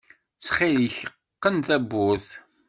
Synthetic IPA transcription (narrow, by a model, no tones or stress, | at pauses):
t͡sχiləçəqːənt̪æbːʊθ